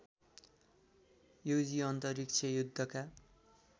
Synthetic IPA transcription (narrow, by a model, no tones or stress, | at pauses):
jowd͡ziʌnt̪ʌrik̚t͡sʰʌjud̪ʱːʌka